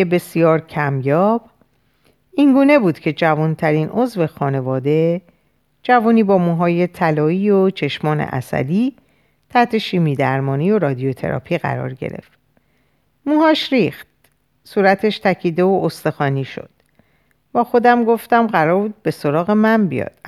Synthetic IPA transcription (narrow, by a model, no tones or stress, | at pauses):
ebe̞sijɒːɾcʰæmjɒːb̥ | iŋɡuːne̞buːd̪̥cʰe̞d͡ʒævunt̪ʰæɾiːnozve̞xɒːne̞vɒːd̪e̞ | d͡ʒævuːniːbɒːmuːɦɒːje̞t̪ʰælɒːiːot͡ʃʰe̞ʃmɒːnḛʔæ̰sæ̰d̪iː | t̪ʰæht̪ʰe̞ʃiːmiːd̪æɾmɒːnijo̞ɾɒːd̪iot̪ʰe̞̰ɾɒ̰pʰiːɣæ̰ɾɒ̰ːɾɟḛɾe̞̰ft̪ | muːɦɒːʃɾixt̪̚ | suːɾæt̪ʰe̞ʃt̪ʰæcʰiːd̪e̞oʔost̪exɒːniːʃo̞̰d̪̥ | b̥æːxo̞d̪æmɡo̞ft̪æmɢæɾɒːɾbuːd̪̚be̞so̞ɾɒːɣe̞mæmbijɒ̰ːd̪̥